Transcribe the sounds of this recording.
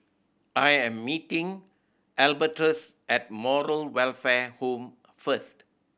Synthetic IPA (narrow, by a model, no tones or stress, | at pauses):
ʔajɛ̃mːitĩŋ | ɛlbətɹəs | ɛt̚mɔɹəlwɛlfɛhõm | fəst